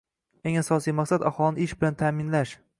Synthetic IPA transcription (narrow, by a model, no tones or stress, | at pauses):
e̞ŋasɒsijmaqsad̪aχɒlˠɪnɪɪʃbɪlant̪ʰaːmɪnlaʃ